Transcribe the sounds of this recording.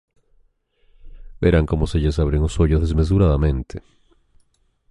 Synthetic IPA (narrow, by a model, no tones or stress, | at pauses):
beɾaŋko̞mo̞seʝasaβɾeŋosoʝozðezme̞s̬uɾaðamẽ̞nt̪ʰe̥